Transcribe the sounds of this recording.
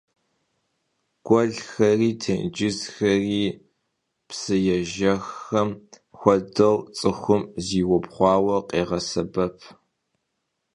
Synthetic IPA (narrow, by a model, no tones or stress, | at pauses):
ɡ̥ʷɔɮxɐriːtʰɨnd͡ʒɪzxɐriː | psɨjɛʒɐxɐm | xʷɔdɐwt͡sʼɨxʷʊmziːwɔpχʷɑːwɐqʼeːʁɐsɐbɐpʰ